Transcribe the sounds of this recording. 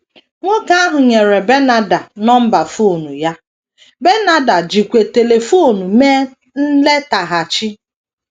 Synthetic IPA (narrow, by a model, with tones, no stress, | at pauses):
ŋʷo˦ka˦a˦ɦʊ˨ɲe˨ɾe˨be˦na˦da˨nɔ˦m̩˦ba˨fu˦˨nu˨ja˦ | be˦na˦da˨d͡ʒi˨kʷe˨te˨le˨fo˦˨nu˨meː˦ | n̩˦le˦ta˨ɦa˨t͡ʃɪ˦